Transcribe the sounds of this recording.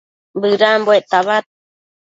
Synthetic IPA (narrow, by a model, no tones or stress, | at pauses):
bɨɾambweʔt̪aβat̪̚